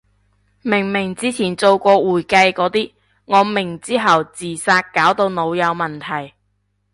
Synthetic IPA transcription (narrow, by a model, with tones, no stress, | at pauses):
mɪ˨˩ŋmɪ˨˩ŋt͡siː˥t͡sʰiː˨˩nt͡so˨˧wkʷɔː˧wuː˨˩jkɐ˧jkɔː˨˧˥t̪iː˥ | ŋɔː˨˧mɪ˨˩ŋt͡siː˥ɦɐ˨wt͡siː˨˩saː˧t̚kaː˨˥wt̪o˧wno˨˧wjɐ˨˧wmɐ˨nt̪ʰɐ˨˩j